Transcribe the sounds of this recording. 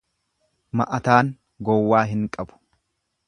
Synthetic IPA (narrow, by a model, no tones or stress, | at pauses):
mɐʔɐt̪aːŋ | ɡɔwːaːɦɪŋkʼɐbʊ̥